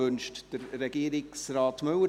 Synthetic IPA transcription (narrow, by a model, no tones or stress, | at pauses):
ɵnʃtd̥əɾːɛɡ̥iəɾɪksrɑːtmøwə